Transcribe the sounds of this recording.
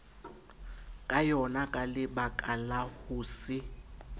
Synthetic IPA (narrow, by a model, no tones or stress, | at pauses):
kʼajɔnakʼalɪbakʼalahuːsɪ